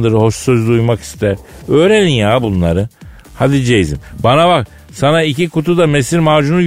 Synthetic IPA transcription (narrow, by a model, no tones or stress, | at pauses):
d̪ɯɾɯho̞ʃsøzd̪ujmaki̥st̪ʰæɾø̞ːɾelʲinjaːbunlˠaɾɯ | had̪id͡ʒejizimbanaβak | sanaicikʰut̪ʰud̪amesiɾmaːd͡ʒunu